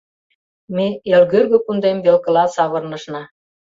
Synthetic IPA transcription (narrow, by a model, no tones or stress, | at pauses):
meelɣørɣø̆kund̪embelkə̆lɑsɑβɤ̆rnɤ̆ʃnɑ